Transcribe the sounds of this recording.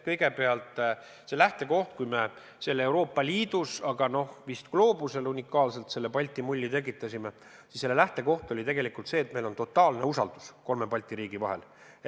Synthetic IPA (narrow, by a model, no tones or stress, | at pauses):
kɤ̞jɡe̞pe̞ɑlt̪ˑ | se̞læht̪e̞ko̞ht̪̚kujme̞ | se̞lːe̞wɾo̞ːpˑːɑlʲiːd̪̥usɑɡɑno̞hvist̪klo̞ːbuse̞lunʲikːˑɑːlse̞lt̪se̞lːepɑlʲt̪ːˑimulʲːit̪e̞k̬ːˑit̪ːˑɑsʲime̞ | sisːe̞lːe̞læht̪e̞ko̞ht̪o̞lʲit̪e̞ɡe̞likˑult̪se̞ːt̪me̞jlo̞nt̪o̞t̪ːˑɑːlne̞usɑ̰ld̪̥u̥sko̞lme̞pɑlʲt̪ˑiɾiːɡ̥ivɑɦe̞̰l